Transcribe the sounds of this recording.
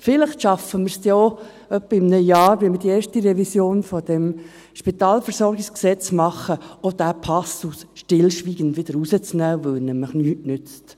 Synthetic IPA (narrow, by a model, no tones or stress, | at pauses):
fɪləχtʃɑfəməɾsjɔː | œpːəɪmnəjɑːɾʋɪməd̥ieːɾʃtiɾɛvisjoːnfɔd̥ɛm | ʃpit̪ɑːlfəɾsɔɾɡɪksksɛt͡smɑχːəod̥æpʰɑsusʃtɪlʃʋiːɡ̥əndʋɪd̥̪əɾusət͡snæːʋœnɛməχnyːtnʏt͡st